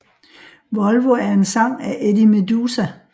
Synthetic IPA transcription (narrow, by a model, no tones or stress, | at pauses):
ʋɒ̽lʋoæɐe̝nsɑ̈ŋ̰æʔed̥imed̥uːsæ